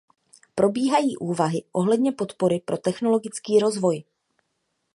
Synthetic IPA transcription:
pɾo̞biːɦajiːʔuːvaɦɪʔo̞ɦlɛdɲɛpo̞t̪po̞ɾɪpɾʔo̞t̪ɛxno̞lo̞ɡɪt͡skiːɾo̞zvo̞j

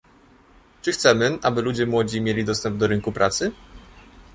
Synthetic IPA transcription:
t͡ʂɘxt̪sɛmɘʔabɘlud͡ʑɛmwɔd͡ʑimʲjelʲid̪ɔst̪ɛmb̚d̪ɔɾɘŋkupɾʔat̪sɘ

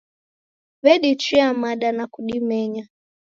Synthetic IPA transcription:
βɛɗit͡ʃiamaɗanakuɗimɛɲa

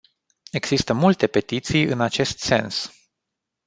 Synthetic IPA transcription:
e̞ɡz̥ist̪əmult̪e̞pe̞t̪it̪sijɨ̰nat͡ʃe̞st̪se̞ns

